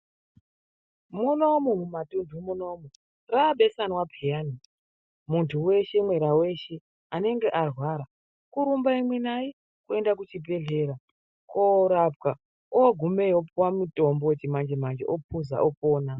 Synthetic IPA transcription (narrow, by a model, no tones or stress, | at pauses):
munomomumatundʱumuno̞mo | raɓe̞sanwapʰijaːni | muntʰuwe̞ʃe̞mwe̞ɾawe̞ʃe | ane̞ŋɡe̞ʔarwaːɾa | kuɾumbaimwenai | kue̞ndak̬ut͡ʃibʱe̞ɮe̞ɾa | koɾap̚ka | oɡʱume̞jopwamuto̞mboet͡ʃimand͡ʒemand͡ʒḛʔopʰuza̰ʔopoːna